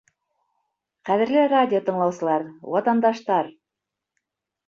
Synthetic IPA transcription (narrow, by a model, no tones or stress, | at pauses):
χæðɘ̆ɾlɘradʲɪot̪ɤ̆ɴlˠɑwsɤ̆lˠɑɾwɑt̪ɑnd̪ɑʃt̪ɑɾ